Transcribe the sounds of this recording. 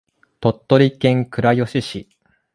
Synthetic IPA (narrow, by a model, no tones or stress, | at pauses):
t̪o̞t̪ːoɾʲikẽ̞ŋkɯ̟ɾajo̞ɕiɕi